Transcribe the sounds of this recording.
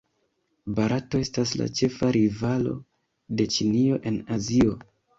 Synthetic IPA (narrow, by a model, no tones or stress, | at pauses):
baɾʔato̞e̞stas̬la̰t͡ʃe̞faɾivalo̞̰ | de̞t͡ʃinio̞ʔe̞nazio̞